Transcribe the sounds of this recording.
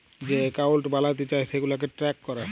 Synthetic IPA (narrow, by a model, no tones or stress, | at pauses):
d͡ʑekaolʈbalat̪̬et͡ɕaeʃeɡulak̬eʈɾɛkːɔɾa